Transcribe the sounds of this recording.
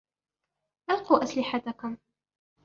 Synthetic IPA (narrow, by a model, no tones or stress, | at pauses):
ʔalquːʔaslɪħat̪akʊm